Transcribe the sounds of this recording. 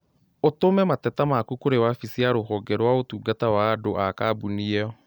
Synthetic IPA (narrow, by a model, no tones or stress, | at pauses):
otomɛmatɛtamakukoɾewafisiaɾohɔɡɛɾwaotuːɡatawaːdoʔakaːbuniɛɔ